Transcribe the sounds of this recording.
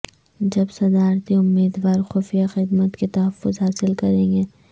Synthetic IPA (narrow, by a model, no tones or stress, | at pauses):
d͡ʒɐbsɐd̪aːɾt̪iʊmːiːd̪ʋaːɾxoːfijaxɪd̪mət̪ket̪ɐɦɐfːʊzɦaːsɪlkɐɾẽːɡeː